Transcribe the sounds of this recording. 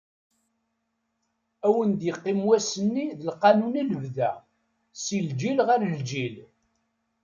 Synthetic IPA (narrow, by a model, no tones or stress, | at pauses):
æwənd̪jəqːimwæsənːiðəlqɑnuniləvðæ̰ | sild͡ʒilʁəɾld͡ʒil